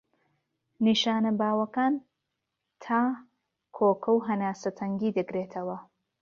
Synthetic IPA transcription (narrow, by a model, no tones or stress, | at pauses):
niʃaːnɐbaːwɐkaːn | t̪ʰaː | kʰoːkʰɐwɦɐnaːsɐt̪ʰɐŋɡiːd̪ɨkɾeːt̪ʰɐwɐ